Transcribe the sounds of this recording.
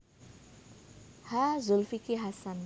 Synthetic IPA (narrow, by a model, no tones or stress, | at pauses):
hazulfikiɦasan